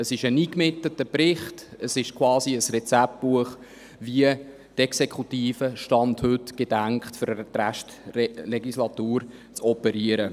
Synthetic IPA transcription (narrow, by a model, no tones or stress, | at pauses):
əsɪʃəniːkmɪtlətəpɾɪχtəsɪʃkʰvwɑːsiəsrɛt͡sæp̚tbuəχ | viə | d̥ɛksekʰutiːfəʃtɑnthɵtɡ̥ed̥æŋkχtføɾtræʃtleɡislɑtuːɾt͡sɔpəɾiəɾə